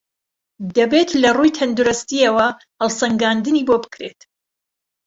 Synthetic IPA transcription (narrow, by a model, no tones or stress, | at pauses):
d̪ɐbe̞t̪lɐrujt̪ʰɐnd̪uɾʊst̪ijɐwɐ | hɐlˠsɐŋɡand̪ɨniːbobɨ̥kɾet̪